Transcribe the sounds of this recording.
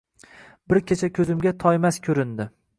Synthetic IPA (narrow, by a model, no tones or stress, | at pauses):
bɪɾkʲʰet͡ʃʰakʲʰɵzɪmɡʲat̪ʰɒjmaskʲʰɵɾɪnd̪ɪ